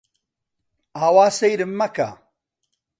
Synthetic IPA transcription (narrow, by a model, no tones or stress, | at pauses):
aːwaːsɐjɾɨmːɐka̰